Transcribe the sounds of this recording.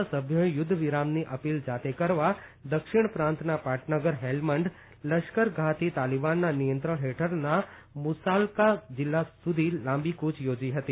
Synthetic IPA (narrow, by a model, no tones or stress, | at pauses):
səbʱjoejʊd̪ʱːəʋɪɾamniʔəpild͡ʒat̪ekəɾʋad̪əkʃɪɳ̃pɾãnt̪napaʈʰnəɡəɾɦelməɳɖ | ləʃkəɾɡʱat̪it̪alibanːanijə̃nt̪ɾəɭɦeʈʰəɾnamʊsalkad͡ʒɪlːasud̪ʱilãmbikut͡ʃʰjod͡ʒiɦət̪i